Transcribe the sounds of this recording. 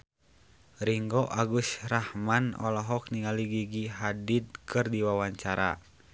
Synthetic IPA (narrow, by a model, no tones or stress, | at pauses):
ɾiŋɡɔʔaɡusrahmanɔ̰lɔɦɔk̚niŋaliɡiɡiɦadit̪̚kɨrdiwawaɲt͡ʃaɾa̰